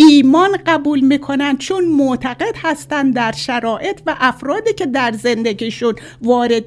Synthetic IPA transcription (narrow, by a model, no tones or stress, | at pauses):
iːmɒːnɢæbuːlmiːkʰo̞nænd̪̚t͡ʃʰunmoʔt̪ʰæɣe̞d̪̥hæst̪ænd̪d̪æɾʃæɾɒːʔe̞t̪ʰvæʔæfɾɒːd̪iːcʰe̞d̪æɾze̞nd̪eɟiːʃun | vɒːɾed̪